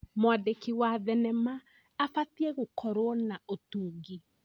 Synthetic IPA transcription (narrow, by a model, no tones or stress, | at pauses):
mwaðekiwaðɛnɛmaː | fatiɛɣokɔɾwɔnaotuːɡi